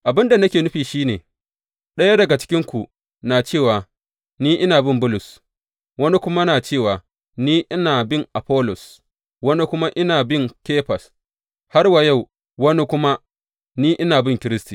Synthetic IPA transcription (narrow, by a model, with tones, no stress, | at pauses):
ʔa˨bɪ˦nda˨nɐ˦kʲeː˨nʊ˦ɸiː˨ʃiː˦neː˨ | ɗɐ˦ja˦dɐ˨ɡa˨t͡ʃɪ̥˦kʲɪ˦ŋkʷu˨ | naː˨t͡ʃeː˦˨waː˨ | niː˦ʔɪ˦naː˨bɪ˦mbʊ˦lʊ˨s | wɐ˦ni˦kʷʊ˦ma˦naː˨t͡ʃeː˦˨waː˨ | niː˦ʔɪ˦naː˨bɪ˦˨ŋʔa˨ɸɔː˦lɔ˨s | wɐ˦ni˦kʷʊ˦ma˦ʔɪ˦naː˨bɪ˦ŋkeː˦ɸɐ˨s | ha˦rwa˨ja˦˨w | wɐ˦ni˦kʷʊ˦ma˦ | niː˦ʔɪ˦naː˨bɪ˦˨ŋkʲɪ˦ɾɪ˦stiː˨